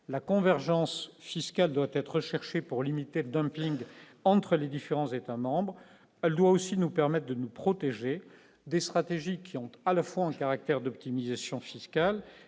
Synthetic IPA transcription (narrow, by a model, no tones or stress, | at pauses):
lakɔ̃vɛʁʒɑ̃sfiskald̪wat̪ɛt̪χəʃɛʁʃepuʁlimit̪eləd̪œ̃mpiŋɡ | ɑ̃t̪χəled̪ifeʁɑ̃zet̪amɑ̃bʁ | ɛld̪waosinupɛʁmɛt̪̚χd̪ənupχɔt̪eʒe | d̪est̪χat̪eʒikʲiɔ̃t̪alafwaɛ̃kaʁak̚t̪ɛʁd̪ɔp̚t̪imizasjɔ̃fiskal